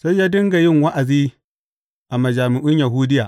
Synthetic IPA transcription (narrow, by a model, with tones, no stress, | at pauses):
sa˦jjaː˦dɐ˦ŋɡa˨jɪ˦ŋwa˦ʔa˨ziː˦ | ʔa˨ma˨d͡ʒaː˨mɪ˨ʔʊ˦ɲja˨ɦu˦dɪ˦jaː˨ʔ